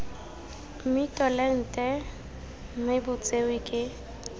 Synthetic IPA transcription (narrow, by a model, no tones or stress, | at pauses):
m̩mitʼɔlɛn̩tʼɛ | m̩maɪbʊt͡sʼewɪkʼɪ